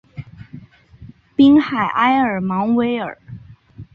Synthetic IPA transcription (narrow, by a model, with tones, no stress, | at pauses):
pi˥ŋxa˨˩ɪʔa˥ɪə˞˨˩mɑ˧˥ŋwe˧˥ɪə̰˞˨˩˦